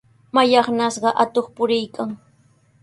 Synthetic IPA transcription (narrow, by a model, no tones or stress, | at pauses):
majɑχnasɢɑʔat̪oχpʊɾɪjkaŋ